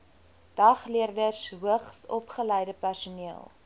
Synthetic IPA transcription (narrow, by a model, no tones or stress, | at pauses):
d̥ɐχliərdərsɦuəχsɔpχələjdəpærsuniəlˠ